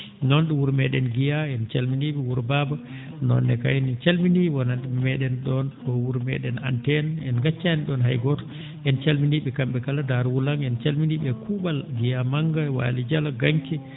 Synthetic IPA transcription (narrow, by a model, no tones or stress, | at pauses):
nɔnɗuwuɾmɛɗɛnɡijaɛnt͡ʃalminiɓɛwuɾbaba | nɔ̰nːɛ̰ka̰jnt͡ʃalminiwananɗɛmɛɗɛnɗɔnkɔwuɾmɛ̰ɗɛna̰ntɛnɛnɡat͡ʃːaniɗɔnɦa̰jɡɔtɔ̥ | ʔɛnt͡ʃalminiɓɛkamɓɛkaladaɾwulaŋɛnt͡ʃalminiɓɛkubalɡijamaŋɡawa̰lid͡ʒalaɡaŋkɛ